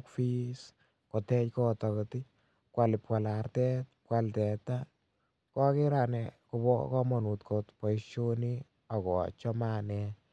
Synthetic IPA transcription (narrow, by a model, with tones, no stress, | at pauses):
kfi˦s | ko˨tɛ˦t͡ʃkɔ˦tɔ˨kɔti˦ | kwa˨lɪpkwa˨lartɛ˦t̚p̚kaltɛ˨ta | kɔ˦ke˦ɾa˨nɛku˧bɔ̰kɔ˦mɔ˨nu˨tkʰotpɔ˨jʃo˦ni | a˨kɔ̰˨t͡ʃɔmanɛ